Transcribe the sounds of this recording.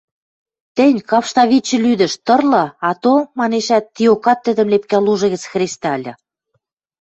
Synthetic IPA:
t̪ɘ̆nʲkɑfʃt̪ɑβit͡ɕːə̆lyd̪ə̆ʃt̪ɤ̆rlɤ̆ɑt̪omɑneʃæt̪ːiokɑt̪ːə̆d̪ə̆mlepkæluʒɤ̆ɣə̆t͡sxrʲest̪ɑlʲɤ̆

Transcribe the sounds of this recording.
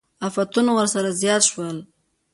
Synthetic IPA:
afat̪unawəɾsaɾazjɑt̪ʃwəl

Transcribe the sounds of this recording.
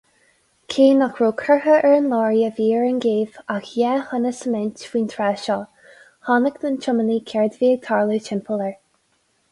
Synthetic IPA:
kʰeːnakɹuːkʰɛɹhəʔɛɹənlɔːɹjəviːɹənɡeːv̥axjɛhənəsəmɛntw̥iːnt̪ʰɹɛːʃɔː | hɑnəkd̪ənt͡ʃʊməniːkʰɛɹd̪viːəɡ̚t̪ʰɑːɹluːtʰɪmpʰələɹ

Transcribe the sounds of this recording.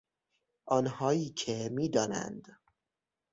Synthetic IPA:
ʔɒːnhɒːjiːcʰemiːd̪ɒːnæ̰nd̪

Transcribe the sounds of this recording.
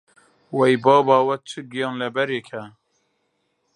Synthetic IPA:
wɛjbɑːbɑːwɛk̚t͡ʃʰɨɡijɑːnlɛbɛɾeːkʰɛ

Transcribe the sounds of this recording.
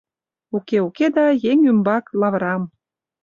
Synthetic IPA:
ukeuked̪ɑjeŋymbɑklɑβəɾɑm

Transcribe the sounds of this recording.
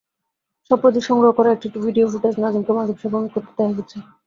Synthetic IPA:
ʃɔpɾot̪̬iʃɔŋɡɾoɦokɔɾaek̚ʈiʈibʱiɖiofuʈad͡ʑnad͡ʑimkemad͡ʑʱobʃabomikoɾt̪e̥d̪ɛaɦet͡ɕʰe

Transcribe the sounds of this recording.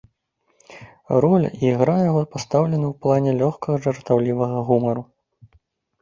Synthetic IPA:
rɔl̰ʲiiɣɾajaɣɔpast̪awlʲɛnɐwplˠanʲɛlʲɔxkɐɣɐʐɐrt̪awlʲivɐɣɐɣumɐɾu

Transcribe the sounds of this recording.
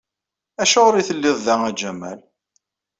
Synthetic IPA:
æʃʊʁɾiθəlːɪðˤðæŋæd͡ʒæmæ̰l

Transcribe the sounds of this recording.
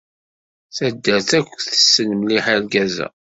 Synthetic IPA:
θæd̪ːəθækʷːθə̥sːənəmliħælɡæzæ̰

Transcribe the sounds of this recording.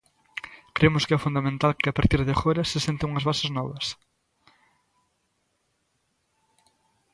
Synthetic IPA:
kɾemʊskɪɛfund̪amẽnt̪alkɪapaɾt̪iɾðexoɾɐsesent̪euŋɐzβasɪznɔβɐs

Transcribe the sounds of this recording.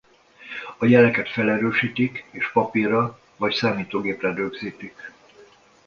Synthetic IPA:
ɒjɛlɛkɛt̪fɛlɛɾøːʃiːt̪ikeːʃpɒpirɒ | vɒcsaːmiːt̪oːɡeːprɛdøɡziːt̪ik

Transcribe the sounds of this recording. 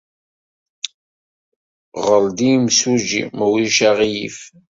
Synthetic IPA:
ʁəld̪imsud͡ʒḭmwiʃaʁijḭf

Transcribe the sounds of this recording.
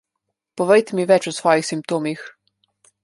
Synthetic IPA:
pɔʋɛjt̪ɛmiʋɛt͡ʃusʋɔːjixsimp̚t̪oːmix

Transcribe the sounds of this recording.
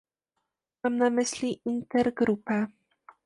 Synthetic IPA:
mamnamɘɕlʲiʔint̪ɛɾɡɾupɛ

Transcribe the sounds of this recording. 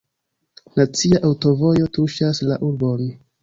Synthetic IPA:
nat͡siaʔawto̞vo̞jo̞tuʃaslaʔuɾbon

